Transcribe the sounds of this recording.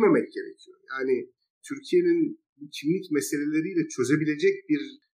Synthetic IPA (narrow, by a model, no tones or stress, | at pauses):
memɛc̚ɟ̥e̞ɾecʰijo̞̰jaːni | t̪ʰyɾcʰije̞nin | bucʰimlʲicmɛse̞lʲelʲeɾijlʲɛt͡ʃʰø̞zebilʲe̞d͡ʒɛc̚biɾ